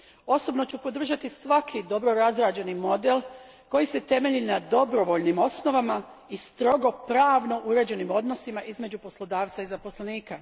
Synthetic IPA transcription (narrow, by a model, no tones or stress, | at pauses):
o̞so̞bno̞t͡ɕupo̞d̪r̩ʒat̪isʋakʰid̪o̞bɾo̞ɾazɾaːd͡ʑe̞nimo̞d̪e̞l | ko̞jise̞t̪e̞me̞ʎinad̪o̞bɾo̞ʋo̞ʎnimo̞sno̞ʋama | ist̪ɾo̞ɡo̞pɾaːʋno̞ʔuɾe̞d͡ʑe̞nimo̞d̪no̞simaʔizme̞d͡ʑupo̞slo̞d̪aːʋt̪saizapo̞sleniːka